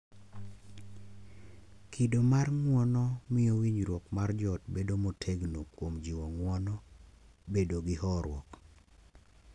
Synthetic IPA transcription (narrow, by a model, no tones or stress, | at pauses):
kʰidomarŋwɔnɔmɪowiɲɾwɔkmard͡ʒɔtbedomotʰeɡnokwomd͡ʒiwɔŋwɔnɔ | bedoɡɪhɔɾwɔk